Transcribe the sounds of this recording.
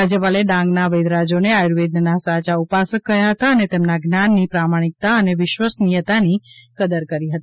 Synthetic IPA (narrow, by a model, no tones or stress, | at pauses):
ad͡ʒjəpaleɖãŋɡnaʋəjd̪ɾad͡ʒoneajɾʋed̪̚nənasat͡ʃaupasəkːəɦjaɦət̪aənet̪emnaɡnanːipɾamaɽ̃ik̚t̪aəneʋɪʃʋəsnijət̪anikəd̪əɾkəɾiɦət̪i